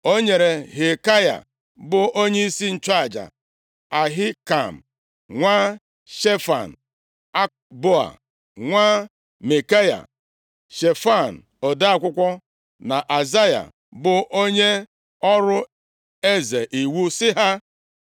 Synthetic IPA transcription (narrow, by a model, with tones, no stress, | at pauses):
o˦ɲe˨ɾe˨ɦe˨ka˦ja̰˨ | bʊ˨o˦ɲe˦i˦si˦n̩˨t͡ʃa˦a˨d͡ʒa̰˨ | a˨ɦɪ˦ka˨m̩˨ | ŋʷa˦ | ʃe˦fa̰˨n̩˨ | a˦ | bo˦a̰˨ | ŋʷa˦ | me˨ka˦ja̰˨ | ʃe˨fa˦˨n̩˨ | ɔ˨da˦a˦˨kʷʊ˦kʷɔ˦ | na˨ʔa˨za˦ja̰˨ | bʊ˨ʔo˦ɲe˦ | ɔ˦ɾʊ˦ | e˦ze˨ʔi˨wu˦sɪ˦ɦa˦